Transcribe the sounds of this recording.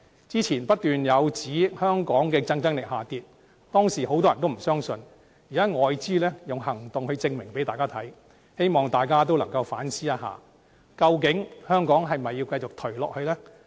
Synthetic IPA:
t͡siː˥t͡sʰiː˨˩npɐ˥t̚t̪yː˨njɐ˨˧wt͡siː˨˥hœː˥ŋkɔː˨˥ŋkɛː˧t͡sɐ˥ŋt͡sɐ˥ŋlɪ˨k̚haː˨t̪iː˧t̚ | t̪ɔː˥ŋsi˨˩ho˨˥wt̪ɔː˥jɐ˨nt̪o˥m̩˨˩sœː˥ŋsɵ˧n | jiː˨˩kaː˨˥ŋɔː˨˧jt͡siː˥lɛː˥jʊ˨ŋhɐ˨˩ŋt̪ʊ˨ŋhɵ˧ɥt͡sɪ˧ŋmɪ˨˩ŋpe˨˥jt̪aː˨jkaː˥t̪ʰɐ˨˥j | he˥jmɔː˨ŋt̪aː˨jkaː˥t̪̬o˥wlɐ˨˩ŋkɐ˧wfaː˨˥nsiː˥ɐ˥ɦa̰ː˨ | kɐ˧wk̬ɪ˨˥ŋhœː˥ŋkɔː˨˥ŋɦɐ˨jm˨mɐ˨jːiː˧wkɐ˧jt͡sʊ˨k̚t̪ʰɵ˨˩ɥlɔː˨k̚hɵ˧lɛː˥

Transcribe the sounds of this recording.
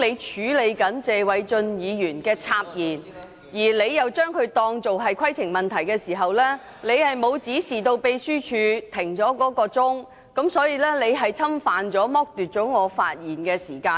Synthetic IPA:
le˨˧jt͡ʃʰyː˨˥le˨˧jkɐ˨˥nt͡sɛː˨˧wɐ˨˥jt͡ʃɵ˧njiː˨˧jyː˨˩nkɛː˧t͡sʰaː˧p̚jiː˨˩n | jiː˨˩le˨˧jjɐ˨wt͡ʃœː˥ŋkʰɵ˨˧ɥt̪ɔː˧ŋt͡so˨wɦɐ˨jkʰɐ˥jtʰɪ˨˩ŋmɐ˨˩nt̪ʰɐ˨˩jkɛː˧siː˨˩ɦɐ˨wlɛː˥ | le˨˧jhɐ˨jmo˨˧wt͡siː˨˥siː˨˩t̪o˧wpe˨˧jsyː˥t͡ʃʰyː˨˧t̪ʰɪ˨˩ŋt͡ʃɔː˨˥kɔː˨˥kɔː˧t͡sʊ˥ŋ | kɐ˨˥msɔː˨˥jiː˧lɛː˥le˨˧jɦɐ˨jt͡sʰɐ˥mfaː˨˧nt͡ʃɔː˨˥mɔː˥k̚t̪yː˨˩t̚t͡ʃɔː˨˥ŋɔː˨˧fa̰ː˧t̚jiː˨nkɛː˧siː˨˩kaː˧

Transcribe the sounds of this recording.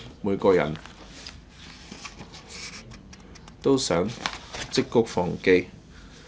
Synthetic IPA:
muː˨˧jkɔː˧jɐ̰˨˩n | t̪o˥wsœː˨˥ŋt͡sɪ˥kːʊ˥k̚fɔː˨˩ŋke˧j

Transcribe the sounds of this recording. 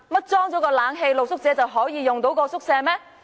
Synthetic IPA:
mɐ˥t̚t͡sɔː˥ŋt͡sɔː˨˧˥kɔː˧laː˨˥nɦe˧jlo˨k̚sʊ˥k̚t͡sɛː˨˧t͡sɐ˨wɦɔː˨˥jiː˨˧jʊ˨˩ŋt̪o˨˥wkɔː˧sʊ˥k̚sɛː˧mɛː˥

